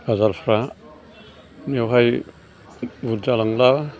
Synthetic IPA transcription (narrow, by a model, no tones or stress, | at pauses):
bazaɾpʰɾa | niawɦaj | buɾd͡ʒalaŋla